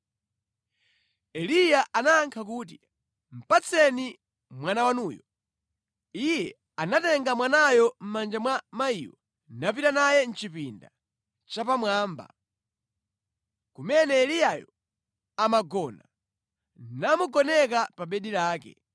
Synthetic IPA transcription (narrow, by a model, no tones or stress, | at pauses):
ɛlijaʔanaːŋkʰak̬uːt̬i | m̩pat͡sʰɛni | mwanawanuːjɔ | ijɛ | anatɛŋɡamwanajɔm̩mand͡ʒamwamaiwɔ | napitanajɛn̩t͡ʃipinda | t͡ʃapamwaːmba̰ | kumɛnɛːlijajɔ | amaɡɔna | namuɡɔnɛk̬apaɓɛɗiɾaːkɛ̰